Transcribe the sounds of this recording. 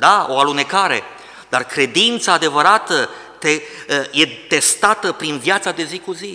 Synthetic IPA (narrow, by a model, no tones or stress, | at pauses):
d̪ao̞alune̞kaɾe̞̰ | d̪arkɾe̞d̪int̪saːd̪e̞vəɾat̪ə | t̪eje̞t̪e̞st̪at̪əpɾinvjat̪sad̪e̞zikuzi